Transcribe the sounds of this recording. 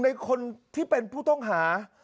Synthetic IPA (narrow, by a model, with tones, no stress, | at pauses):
na˧jkʰo˧nt̪ʰiː˥˩pe˧npʰuː˥˩t̪ɔ˥˩ŋɦaː˩˦